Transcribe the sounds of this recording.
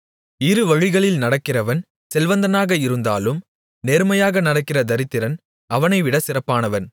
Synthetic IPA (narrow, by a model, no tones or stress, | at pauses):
ɪɾɯʋɐɻɪɣɐɭɪlnɐɽɐkːɪrɐʋɐn | sɛlʋɐnd̪ɐnaːɣɐɪɾɯnd̪aːlɯm | neːɾmɐjaːɣɐnɐɽɐkːɪrɐd̪ɐɾɪt̪ːɪɾɐn | ɐʋɐnɐɪʋɪɽɐsɪrɐpːaːnɐʋɐn